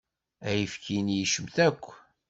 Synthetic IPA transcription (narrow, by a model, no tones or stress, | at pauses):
æjəfkinjiʃəmθækʷː